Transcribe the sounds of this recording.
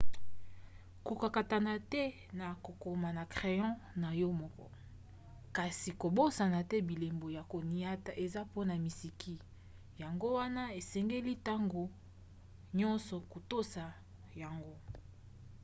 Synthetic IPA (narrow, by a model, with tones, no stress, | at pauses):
ku˨ka˨ka˨ta˨na˨tɛ˦ | na˨ko˨ko˨ma˨na˨kχe˨jɑ̃˦na˨jɔ˦mɔ˦kɔ̰˦ | ka˨si˨ko˨bo˦sa˨na˨tɛ˦bi˨le˨mbo˨ja˨ko˨ni˨a˦ta˨ʔe˨za˦po˦na˨mi˨si˨kʰi˦ | ja˨ŋɡo˦wa˦na˦e˨sɛ˨ŋɡe˦li˦ta˦ŋɡo˨ | ɲɔ̃˦nsɔ˨ko˨to˦sa˨ | ja˨ŋɡo˦